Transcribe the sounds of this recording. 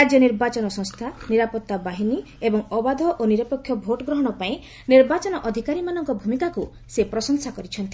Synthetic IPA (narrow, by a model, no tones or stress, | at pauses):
ɾad͡ʒjɔniɾbat͡ʃɔnɔsɔŋst̪ʰaniɾapɔt̪ːabaɦini | ebɔŋɔbad̪ʱɔʔoniɾɔpɔkʰːjɔbʱoʈɔɡɾɔɦɔɽ̃ɔpaĩ | niɾbat͡ʃɔnɔʔɔd̪ʱikaɾimanɔŋkɔbʱumikaku | sepɾɔsɔŋsakɔɾit͡ʃʰɔnt̪i